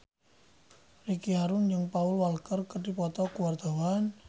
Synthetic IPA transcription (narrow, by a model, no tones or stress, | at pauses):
rikiɦaɾʊnd͡ʒɨŋpaʊlwalkərkəɖipɔt̪ɔkuward̪̥a̤wan